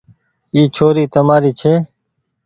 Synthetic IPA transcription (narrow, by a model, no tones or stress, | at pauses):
iːt͡ʃʰoːɾiːt̪əmaːɾiːt͡ʃʰeː